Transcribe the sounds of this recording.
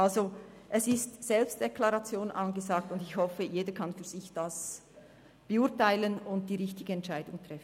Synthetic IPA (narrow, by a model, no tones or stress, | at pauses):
ʔalzo | ʔɛsɪstsɛlpst̚d̥ɛkʰlaʁɑt͡sjoːnʔɑnɡəzaːk̚tʊndɪçhɔfəjeːdəkʰɑnfyːɐz̥ɪçd̥as | b̥əʊɐtaɪlənʊnt̚d̥iːʁɪçtɪɡ̥əɛntt͡ʃaɪdʊŋtʁ̥ɛfn